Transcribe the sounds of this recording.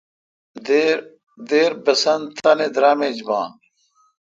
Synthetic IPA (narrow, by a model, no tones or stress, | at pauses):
d̪ | d̪eːɾbɐsɐnt̪ʰɐned̪ɾaːmeːd͡ʑbɑ̰ːn